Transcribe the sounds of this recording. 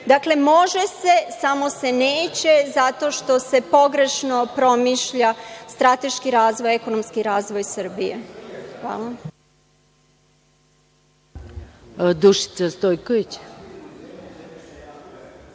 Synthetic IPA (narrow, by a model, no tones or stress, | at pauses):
d̪akle̞mo̞ʒe̞se̞samo̞se̞neːt͡ɕe̞zat̪o̞ːʃt̪o̞se̞po̞ɡɾe̞ʃno̞pɾo̞miʃʎast̪ɾat̪e̞ʃkiɾaːzʋojeko̞nomskiɾaːzʋo̞jsɨr̩bije̞̰xʋa̰ːlˠa | d̪uʃi̥t̪sast̪ojkoʋit͡ɕ